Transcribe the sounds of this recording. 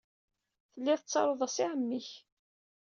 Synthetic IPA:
θəlːiθət͡sːɑɾˤoðˤæsɪʕəmːiç

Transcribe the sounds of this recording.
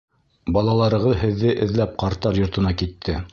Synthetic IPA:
bɑlˠɑlˠɑɾɤ̆ʁɤðhɘ̆ðːɘʔɘ̆ðlæp̚qɑɾt̪ɑɾjŏɾt̪ɤ̆nɑkit̪ʰːɘ

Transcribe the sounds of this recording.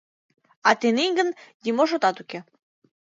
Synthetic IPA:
ɑt̪eniŋɡə̆nd̪ʲimoʃ̬ot̪ɑt̪uke

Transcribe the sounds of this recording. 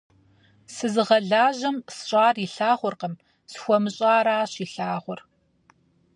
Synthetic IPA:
sɨzɨʁɐɮaːʑɐmsɕʼaːriɬaːχʷɔrqəm | sxʷɔmɨɕʼaːɾaːɕiɬaːʁʷʊr

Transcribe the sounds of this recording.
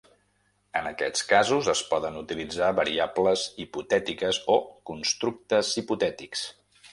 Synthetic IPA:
ənəkɛt͡skazuzəspɔðənut̪ilid͡zaβəɾiabləziput̪ɛt̪ikəzokunst̪ɾuk̚t̪əziput̪ɛt̪iks

